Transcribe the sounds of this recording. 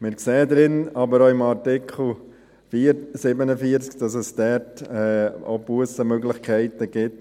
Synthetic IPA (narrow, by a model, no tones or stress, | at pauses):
mɪɾkseːəd̪ɾɪnɑbəɾoɪmɑɾtɪkχl̩ | fiːɾsɪbənəfiəɾt͡skd̥ɑsəsd̥ɛɾtɛo̰buəsəmøɡlɪχkʰæɪtəɡ̥ɪt